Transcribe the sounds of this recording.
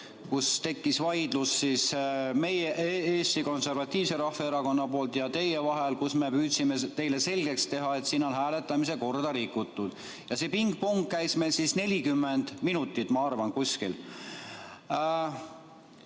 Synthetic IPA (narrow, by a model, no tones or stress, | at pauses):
kust̪e̞kːisvɑjd̪̥lusːiːsme̞jeʔeːst̪iko̞nse̞rvɑt̪ʲːiːvse̞ɾɑhveeɾɑko̞nːɑpo̞ːlt̪jɑt̪e̞jevɑɦe̞lkusme̞pyːt̪simet̪e̞jle̞se̞lʲɡe̞kst̪e̞ɦɑe̞t̪siːno̞nɦæːle̞t̪ːˑɑmis̬e̞ko̞rd̪̥ɑɾikːˑut̪ˑːud̪̥ | jɑse̞piŋɡ̚poŋkːæjsmejlsisne̞lʲikymːe̞nd̪̥minut̪ːˑit̪ːˑmɑɑrvɑnkusʲkil